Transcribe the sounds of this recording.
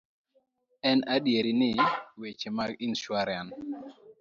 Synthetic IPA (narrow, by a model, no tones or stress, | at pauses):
ɛnadjeɾinɪwet͡ʃemaɡinʃwaɾan